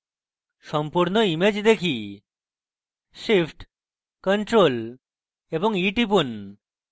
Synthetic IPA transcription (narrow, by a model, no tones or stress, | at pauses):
ʃɔmpuɾnoimed͡ʑd̪ekʰi | ʃipʰʈ | kɔɳʈɾol | eboŋiʈipun